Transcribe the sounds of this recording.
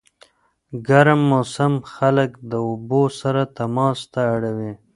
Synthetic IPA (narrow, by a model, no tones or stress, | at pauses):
ɡaɾmːosamxaləkd̪əʊbosaɾat̪amɑːst̪aːɽawi